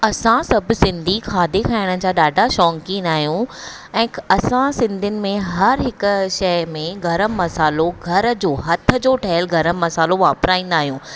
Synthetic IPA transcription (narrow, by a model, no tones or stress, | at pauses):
ɐsãsɐbʱsɪ̃nd̪ʱixʰaːd̪ekʰaːɪɽ̃ə̆d͡ʑaːɗaːɖʱaʃɔːŋkĩːnd̪aːɦijũ | ɛ̃ːɐsãsɪ̃nd̪ʱiʊnɪ̆mẽɦɐɾɦɪk̆ʃɐmẽɡɐɾəmːɐsaːloɡʱɐɾd͡ʑoːɦɐt̪ʰə̆d͡ʑoːʈʰɐɦəlɡɐɾəmːɐsaːloʋaːpsɾaːĩːn̆d̪aːɦijũː